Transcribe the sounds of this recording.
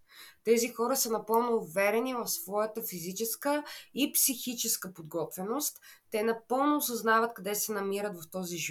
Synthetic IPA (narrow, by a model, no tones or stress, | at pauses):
t̪ɛzixɔɾəsənɐpɤlˠnoːvɛɾɛnivɐfsvɔjət̪əfizit͡ʃɛskəipsixit͡ʃɛskəpod̪ɡɔt̪vɛnost̪ːɛnɐpɤlˠnʊːsɐznavət̪̚kɐd̪ɛsɛnɐmiɾət̪vɐft̪ɔziʒ